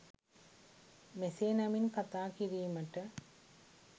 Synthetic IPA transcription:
meseːnɐminkɐt̪ːaːkiɾiːmɐʈːɐ

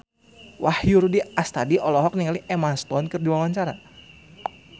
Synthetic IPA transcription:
wahjuɾudiast̪adiʔɔlɔɦɔk̚niŋaliʔɛmast̪ɔnkɨrdiwawaɲt͡ʃaɾa̰

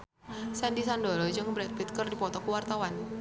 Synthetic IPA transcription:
sɛndisandoɾɔd͡ʒɨŋbɾɛt̪̚bit̪̚kərdipɔt̪ɔkuwart̪awan

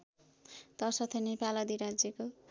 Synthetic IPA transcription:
t̪ʌsʌt̪ʰʌnepalʌd̪iɾad͡zjʌko

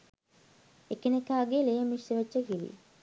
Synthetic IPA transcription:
ekənekaːɡelejəmiseʋət͡ʃːəkilḭ

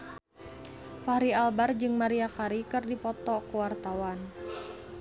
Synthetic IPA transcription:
faɾialbard͡ʒɨŋmaɾiakaɾikɨrdipɔt̪ɔkuwart̪awan

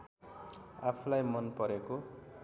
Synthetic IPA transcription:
apʰulajmʌnpʌɾeko

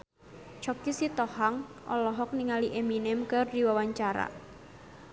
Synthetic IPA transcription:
t͡ʃɔkisit̪ɔhaŋʔɔ̰lɔɦɔk̚niŋaliʔeminɪmkərdiwawaɲt͡ʃaɾa̰

